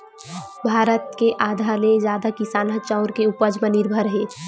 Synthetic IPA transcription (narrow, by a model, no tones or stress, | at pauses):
bʱaːɾət̪̚keʔaːd̪ʱaːlezjaːd̪akisaːnat͡ʃaʊɾkeʊpəd͡ʒmənɪɾbʱəɾɦeː